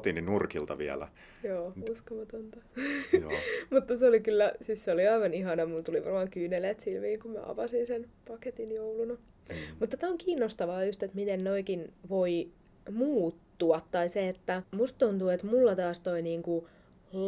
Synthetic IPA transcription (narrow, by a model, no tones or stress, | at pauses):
t̪ininurkilt̪ɑʋiæ̰læ̰ | joːuskomɑt̪ont̪ɑ | mut̪ːɑseolikylːæsisseoliɑiʋɑniɦɑnɑmult̪uliʋɑ̰rmɑːŋkyːneleːt̪silʋiːŋkummæ̰ʔɑ̰pɑsinsenpɑket̪injoulunɑ | mut̪ːɑt̪æoŋkiːnːost̪ɑʋɑːjust̪et̪mit̪ennoikinʋoi | muːt̪ːuɑt̪tɑiseet̪ːæmust̪̚t̪ont̪uːet̪mulːɑt̪ɑːst̪oiniːŋku